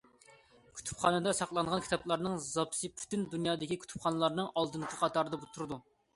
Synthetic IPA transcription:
kʲʰy̥t̪ʰy̥pχɑnɨd̪ɑsɑqlˠɑnʁɑnkʲʰi̥t̪ɑplˠɑɾnɨŋzɑpsɨpʰy̥t̪ynd̪unjɑːd̪ɪkʲikʲʰy̥t̪ʰy̥pχɑnɨlˠɑɾnɨŋɑlˠd̪ɨnqʰəqʰɑt̪ɑɾɨd̪ɑbut̪ʰuɾɨd̪u

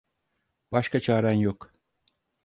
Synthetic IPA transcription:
b̥ɑʃkɑt͡ʃʰɑɾɑnjok

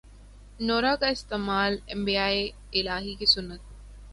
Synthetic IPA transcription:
noːɾakaɪst̪eːmaːlɛ̃mbiaːe | ɪlaːɦikʰeːsʊnːət̪̚

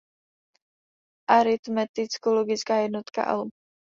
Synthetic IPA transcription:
ʔaɾɪt̪mɛt̪ɪt͡skoloɡɪt͡skaːjɛdnot̪ka̰ʔɛ̰lu

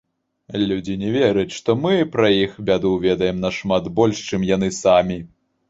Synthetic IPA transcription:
lʲud͡zʲinʲɛvʲɛɾɨt͡sʲʂt̪ɔmɨpɾɐjixbʲad̪uvʲɛd̪ɐjɛmnɐʂmat̪bɔlʲʂt͡ʂɨmjanɨsamʲi

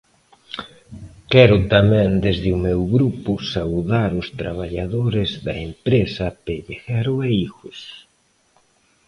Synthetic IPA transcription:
kɛɾʊt̪amɛ̃nd̪ezðɪumewɣɾupʊsawðaɾʊst̪ɾaβ̞aʎaðoɾɪzðɐempɾesɐpeʎeɣaɾʊeiɣos

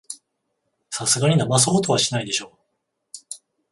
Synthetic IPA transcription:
sasɨɡaɲ̟inamas̬ohot̪o̞βaɕinaid̪e̞ɕo̞ː

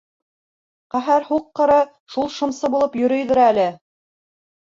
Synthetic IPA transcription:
qæɦæɾhuqːɤ̆ɾɑ | ʃulˠʃɤ̆msɤbulˠɤpjɵ̆ɾɵ̆jðɘ̆ɾælɘ

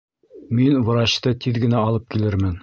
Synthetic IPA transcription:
minvɤ̆ɾɑɕt̪ɤt̪iðɡɘ̆næɒlˠɤp̚kilɘɾmɘn

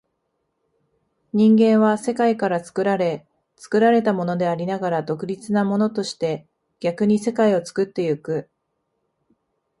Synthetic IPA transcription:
ɲ̟ĩŋɡẽ̞ɰ̃βase̞kaikaɾat͡sɨ̥kɯ̟ɾaɾe̞ | t͡sɨ̥kɯ̟ɾaɾe̞t̪amo̞no̞d̪e̞aɾʲinaɡaɾad̪o̞kɯ̟ɾʲit͡sɨnamo̞no̞t̪o̞ɕi̥t̪e̞ | ɡ̥ʲakɯ̟ɲ̟ise̞kaio̞t͡sɨ̥kɯ̟t̪ːe̞jɯ̟kɯ̟

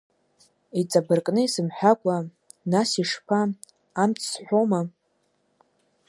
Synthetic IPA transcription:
it͡sʼabɨrkʼnɨisɨmħʷᶣakʷʼa | nasiʂpʰaː | mt͡sʰsħʷoma

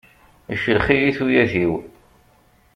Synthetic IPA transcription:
əʃəlχijiθujæðiw

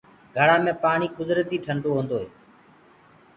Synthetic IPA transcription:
ɡʱəɽ̤aːmẽːpaːɳiːkʊzɾət̪iːʈʰəɳɖoːɦõːnd̪oːɦeː

